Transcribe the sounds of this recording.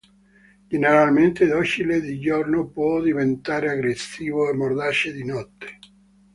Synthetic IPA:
d͡ʒeneɾalment̪ed̪ɔt͡ʃiled̪id͡ʒornopwɔd̪ivent̪aːɾeaɡɾesːiːvoemːord̪at͡ʃed̪inɔt̪ːe̥

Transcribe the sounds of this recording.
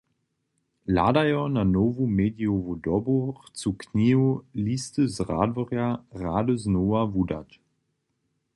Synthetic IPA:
la̰dajɔnanovumeːdiovudɔbuχt͡sukniulist̪əzʁa̰dvɔʁjaʁaːdəznoːavuda̰t

